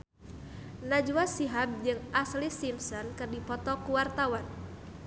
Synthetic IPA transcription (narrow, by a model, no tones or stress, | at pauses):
nad͡ʒuwasiɦab̚d͡ʒɨŋʔaslisimsɔnkɨrdipɔt̪ɔkuwart̪awan